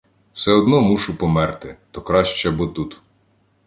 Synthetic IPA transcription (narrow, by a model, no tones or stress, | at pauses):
wsɛɔd̪nɔmuʃʊpɔmɛrt̪ɪt̪ɔkɾɑʃt͡ʃɛbɔt̪ut̪